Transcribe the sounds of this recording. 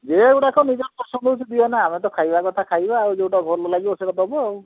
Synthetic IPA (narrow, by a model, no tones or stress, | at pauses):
d͡ʒewʈakɔnid͡ʒɔɾpɔsɔnd̪ɔut͡ʃʰid̪iɔnaamet̪ɔkʰajbakɔt̪ʰakʰajbaːɾud͡ʒewʈabʱɔlɔlaɡibɔsekɔd̪ɔbɔ